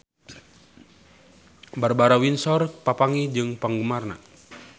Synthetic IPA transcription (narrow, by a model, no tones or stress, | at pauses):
barbaɾawinsɔrpapaŋid͡ʒɨŋpaŋɡəmarna̰